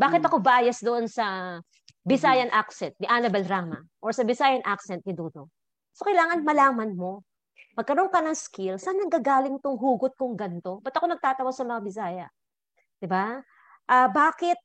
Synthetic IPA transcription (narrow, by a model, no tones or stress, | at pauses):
baːkɪt̪ɐko̞baːjɐsd̪oʔo̞nsɐ | bɪsaːjɐnʔaksɛnt̪̚nɪʔanɐbɛlɾaːmɐ̰ʔoɹsɐbɪsaːjɐnʔaksɛnt̪̚nɪd̪uːt̪o | so̞kɐjlaːŋɐnmɐlaːmɐnmo̞ | mɐɡ̚kɐɾo̞ŋkɐnɐŋskɪlsanːɐɡaːɡaːlɪŋt̪oŋɦuːɡʊt̪̚kʊŋɡɐnt̪o̞bɐt̪ʔɐko̞nɐɡ̚t̪aːt̪ɐwasɐmɐŋabɪs̬aːjɐ | d̪̥ɪba | ʔabaːkɪt̪̚